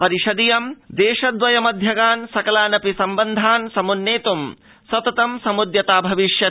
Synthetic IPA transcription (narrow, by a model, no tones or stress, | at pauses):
pɐɾiʃɐd̪ijɐmd̪eːʃɐd̪ʋɐjɐmɐd̪ʱjɐɡaːnsɐkɐlaːnɐpisɐmbɐnd̪ʱaːnsɐmunːeːt̪um | sɐt̪ɐt̪ɐmsɐmud̪jɐt̪aːbʱɐʋiʃjɐ